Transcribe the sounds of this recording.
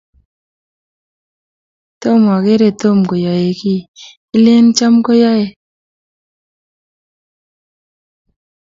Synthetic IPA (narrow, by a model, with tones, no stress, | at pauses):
t̪o˦mɔ˨ke˦ɾe˦˨t̪o˦˨mko˨jɔ˨je˨ki˦ | i˦le˦nt͡ʃa˦mko˦jɔ˦je˨